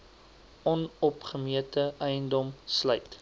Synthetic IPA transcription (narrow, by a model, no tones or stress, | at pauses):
ɔnɔpχəmiətəɛjəndɔmslœjt